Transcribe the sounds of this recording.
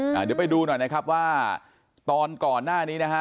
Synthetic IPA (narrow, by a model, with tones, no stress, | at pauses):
ʔaː˨˩diː˨˩˦pa˧jduː˧nɔ˨˩jna˦˥kʰa˦˥p̚waː˥˩ | t̪ɔː˧nkɔː˨˩nːaː˥˩niː˦˥na˦˥kʰa˦˥